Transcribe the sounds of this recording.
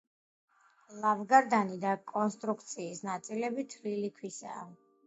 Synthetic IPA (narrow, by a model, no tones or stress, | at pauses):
lˠavɡaɾd̪anid̪akʼɔnst̪ʼɾukʰt̪sʰiːsnat̪sʼilɛbit̪ʰlilikʰwisa̰ː